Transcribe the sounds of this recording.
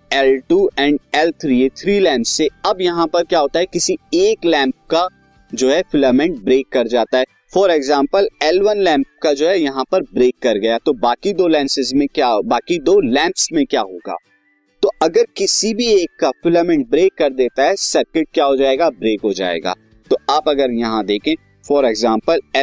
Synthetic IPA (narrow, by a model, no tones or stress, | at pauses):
ɛːlʈuːɛ̃ːɳɖɛːlt̪ʰɾiet̪ʰɾiːlɛ̃ːmpsːeɐbjɐɦãpɐɾkjaːɦoːt̪aɦɛkɪsieːklɛ̃ːmp̚ka | d͡ʒoːɦɛfɪləmɛ̃ɳʈ̚bɾeːkːɐɾd͡ʒaːt̪aɦɛ | fɔːɾeɡzãːmpəlɛːlʋənlɛ̃ːmp̚kad͡ʒoːɦɛjɐɦãpɐɾbɾeːkːɐɾɡɐjat̪obaːkid̪oːlɛ̃ːnsɪzmẽkjaːbaːkid̪oːlɛ̃ːmpsmẽkjaːɦoːɡa̰ː | t̪oɐɡəɾkɪsibʱieːkːafɪləmɛ̃ɳʈ̚bɾeːkːɐɾd̪eːt̪aɦɛsɐɾkɪʈ̚kjaːɦod͡ʒaːeːɡabɾeːkɦod͡ʒa̰ːḛːɡa̰ː | t̪oaːpɐɡəɾjɐɦãd̪eːkʰẽː | fɔːɾɛɡzãːmpəlɛ